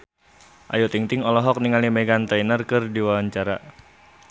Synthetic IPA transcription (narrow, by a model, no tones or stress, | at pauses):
ʔa̰jot̪iŋt̪ɪŋɔlɔɦɔk̚niŋalimɛɡant̪ainərkɨrdiwawaɲt͡ʃaɾa̰